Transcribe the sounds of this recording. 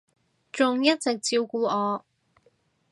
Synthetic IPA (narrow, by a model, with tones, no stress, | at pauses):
t͡ʃʊ˨ŋjɐ˥t̚t͡sɪ˨k̚t͡siː˧wkuː˨˥ɔː˨˧